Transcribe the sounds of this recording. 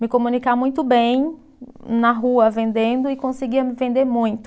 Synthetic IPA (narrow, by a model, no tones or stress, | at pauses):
mɪkõmũnikamũj̃t̪ʊbẽj̃ | nɐɦuɐvẽnd̪ẽnd̪ʊɪkõsɪɡiɐmɪvẽnd̪eɾmũj̃t̪ʊ